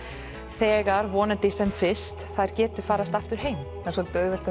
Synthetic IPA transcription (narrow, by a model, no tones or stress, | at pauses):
θɛːɣaɾvɔːnɪnt̪ɪsɛmfɪst̪θaðɾ̥cɛːt̪ʏ̥faːɾast̪aft̪ʏɾ̥ɦeːjm | asɔlt̪œːɥvɛl̥t̪a